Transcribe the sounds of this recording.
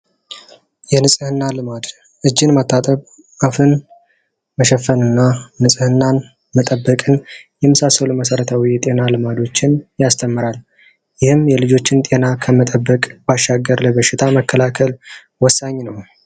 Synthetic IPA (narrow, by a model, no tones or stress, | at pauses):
jɛnɨsʼɨhɨnːalɨmad̪ | ʔɨd͡ʒːɪnmət̪ʰːat̪ʼəβ | afɨn | məʃɛfːənɨnːanɨsʼɨhɨnːan | mət̪ʼəbːəkʼɨnjɛmɨsasəluməsəɾət̪ʰawijɛt̪ʼe̞nalɨmad̪o̞t͡ʃːɪnjast̪ʰəmːɨɾal | jɪhɨmjɛlɨd͡ʒo̞t͡ʃːɪnt̪ʼe̞nakʰəmət̪ʼəbːəkʼbaʃːaɡːəɾləbəʃɪt̪ʰaməkʰːəlakʰəl | wɔsːaɲːnəw